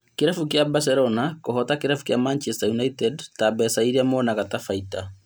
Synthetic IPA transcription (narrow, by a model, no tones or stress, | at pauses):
keɾafukjabas̬ɛɾɔnakoɦɔtakeɾafu̥kjamant͡ʃɛstajunaitɛdtabɛsaiɾiamɔnaɣatafaita